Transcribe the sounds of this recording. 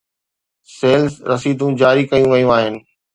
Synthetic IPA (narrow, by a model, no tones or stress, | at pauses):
seːlsɾɐsiːd̪ũd͡ʑaːɾikɐjũʋɐjũaːɦɪnɪ̆